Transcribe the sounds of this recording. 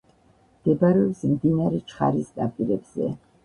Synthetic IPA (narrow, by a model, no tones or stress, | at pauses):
d̪̥ɛbaɾɔbsmd̪inaɾɛt͡ʃʰʼχa̰ɾisd̪apʼiɾɛbz̥ɛ̰